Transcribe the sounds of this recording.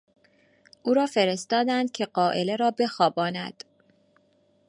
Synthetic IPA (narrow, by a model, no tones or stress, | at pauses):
ʔuːɾɒːfeɾest̪ɒːd̪ænd̪̥̚cʲʰe̞ɢɒːʔele̞ɾɒːbe̞xɒːbɒːnæ̰d̪̥